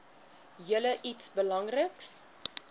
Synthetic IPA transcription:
jələʔitsbəlɐŋrəks

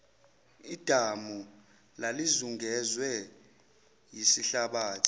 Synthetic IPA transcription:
id̥ʱamu | lalizuŋɡɛzwɛ | jisiɬaɓaːtʰi̥

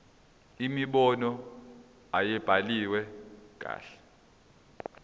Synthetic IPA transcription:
imiɓɔnɔ | ajɛb̥ʱaliwɛk̬ʼa̰ːɬɛ̥

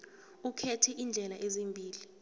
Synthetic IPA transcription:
ukʰɛtʰɛʔind͡ɮʱɛlaʔezimbʱiːli

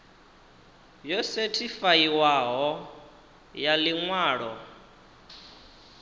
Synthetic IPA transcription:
jɔsɛtʰifaiwaɦɔ | jaliŋwaːɺɔ

